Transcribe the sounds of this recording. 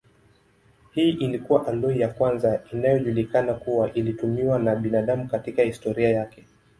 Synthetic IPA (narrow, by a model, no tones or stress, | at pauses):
hiːʔilikuwaʔalɔijakwanzainajɔʄulikanakuwaʔilitumiwanaɓinaɗamukatikahistɔɾiajakɛ